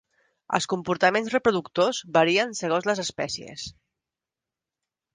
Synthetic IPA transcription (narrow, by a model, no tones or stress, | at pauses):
ə̰lˠskumpuɾt̪əmenzrəpɾuðukt̪ozβəɾiənsəɣ̞onzləzəspɛsiḛs